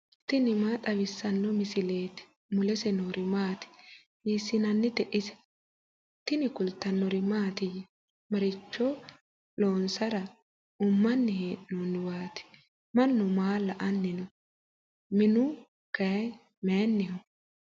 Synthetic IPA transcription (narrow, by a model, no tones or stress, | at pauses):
t̪ɪnɪmaːt̪ʼɐwɪsːɐnːɔmɪsɪleːt̪ɪ̥ | mʊlɛsɛnoɾɪmaːt̪ɪ̥ | iːsɪnɐnːɪt̪ɛʔɪsɛ̥ | t̪ɪnɪkʊlt̪ːɐnːɔɾɪmaːt̪ɪjɪ | mɐɾɪt͡ʃːɔ | loːnsɐɾɐ | ʊmːɐnːɪheːʔnɔːnːɪwaːt̪ɪ̥ | mɐnːʊmaːlɐʔɐnːɪnɔ | mɪnʊ | kɐ | mɛnːɪhɔ